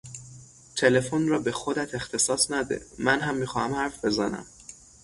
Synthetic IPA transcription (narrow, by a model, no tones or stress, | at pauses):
t̪ʰe̞le̞fonrɒːbe̞xod̪æt̪ʰe̞xt̪ʰe̞sɒːsnæd̪ḛmænɦæmːiːxɒːhæmhæɾfbe̞zænæ̰m